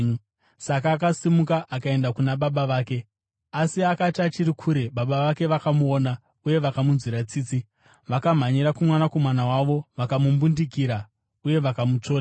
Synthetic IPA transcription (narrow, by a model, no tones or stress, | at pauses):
sak̬aːk̬asimukaʔakae̞ndakunaɓaɓaʋaːke̞ | asiakatat͡ʃiɾikʰuːɾe̞ɓaɓaʋake̞ʋakamuoːna | uje̞ʋakamunziɾat͡siːt͡si | ʋakam̤aɲiɾakumwanako̞manawaʋo̞ʋakamumbundik̬iɾa | uje̞ʋakamut͡ʂo̞ːa